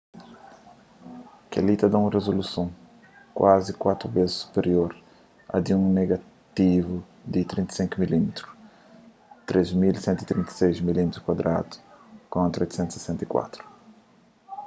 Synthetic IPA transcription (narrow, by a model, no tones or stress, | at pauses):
kḛlit̪ɐd̪aũrezolusõ | kwʔazikwat̪ɾubezɪsu̥peɾjoɾ | ɐ̰d̪iũneɡa | t̪ivu | d̪ɪt̪ɾĩnt̪ḁsĩŋkumilimet̪ɾu | t̪ɾezmilsɛ̃nt̪uit̪ɾĩnt̪sejzmilimet̪ɾukwad̪ɾa̰d̪u̥kõt̪ɾo̰jt̪sẽnt̪se̥sɛ̃nt̪ɐikwa̰t̪ɾu̥